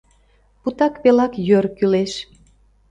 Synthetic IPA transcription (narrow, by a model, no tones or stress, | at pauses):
put̪ɑkβelɑkjørkyleʃ